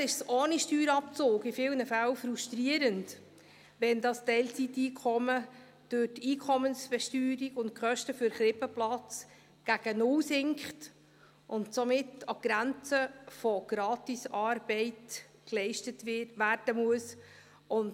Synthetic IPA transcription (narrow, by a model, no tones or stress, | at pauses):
ɪʃsoːniʃtyːɾɑpt͡soːɡɪfɪlnəfælfɾuʃtɾiəɾənd | ʋɛndɑstɛɪlt͡sitiːkʰɔmə | d̥øtiːkʰɔmənsb̥ɛʃtyːɾiɡʊnt̚kχœʃtəfʏɾχɾɪpəplɑt͡s | ɡ̥æɡ̥ənʊlsɪŋkχt | ʔʊntsɔmɪtɑɡ̥ɾænt͡səfɔɡ̥ɾɑːtisɑːɾb̥ɛɪt | klɛɪʃtətʋærd̥əmuəs | ʊn